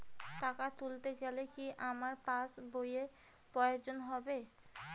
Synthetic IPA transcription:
ʈakat̪ult̪eɡɛlekiʔamaɾpasboje | pɾɔeod͡ʑonɦɔbe

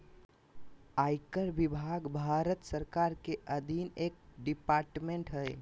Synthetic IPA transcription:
ajkəɾbibʱaɡbʱaɾət̪səɾkaɾkeʔəd̪ʱineːk̚ɖipaɾʈmẽɳʈɦəj

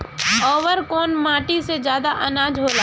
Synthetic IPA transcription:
ɔːʋəɾkɔːnmãːʈised͡ʒjaːd̪aʔɐnaːd͡ʒɦoːlaː

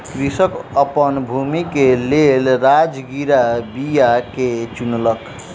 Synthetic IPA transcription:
kɾisəkəpənbʱumikelelɾad͡ʒɡiɾabijaket͡ʃunlək

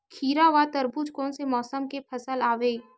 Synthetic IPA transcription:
kʰiːɾaʋat̪əɾbud͡ʒkõːnsemɔːsəmkepʰɐsəlaːʋeː

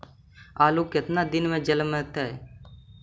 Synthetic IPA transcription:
aːluːkɪt̪naːd̪ɪnmẽːd͡ʒələmːẽːt̪aɦɛ̰ː

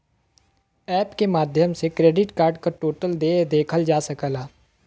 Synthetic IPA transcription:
ɛːpkemaːd̪ʱjəmsekɾeːɖɪʈkaːɾɖkaʈoːʈəld̪eːd̪eːkʰəld͡ʒaːsəkəlaː

